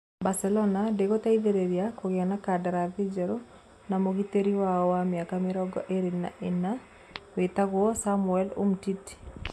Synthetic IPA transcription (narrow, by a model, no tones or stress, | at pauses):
basɛlɔnadeɣotaiðeɾeɾiakoɣeanakadaɾaðid͡ʒɛɾo | namoɣiteɾiwaɔwameakameɾɔɡɔ̰ʔeɾena̰ʔena | wetaɣwɔsamuɛlo̰mtiti̥